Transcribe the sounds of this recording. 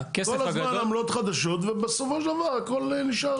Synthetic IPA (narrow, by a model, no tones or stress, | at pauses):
keskolazmanamlo̞t̪χad̪aʃot̪vebesofoʃld̪avaʁako̞lniʃa